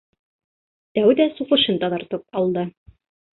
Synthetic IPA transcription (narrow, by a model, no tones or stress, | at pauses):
t̪æwd̪æsuʁɤ̆ʃɤnt̪ɑðɑɾt̪ɤp̚ɑlˠd̪ɤ